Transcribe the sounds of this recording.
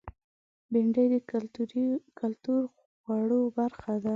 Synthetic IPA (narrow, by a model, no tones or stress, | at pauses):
bɪɳɖəjd̪ə | kʰalt̪uɾ | ɣwaɽobaɾxad̪a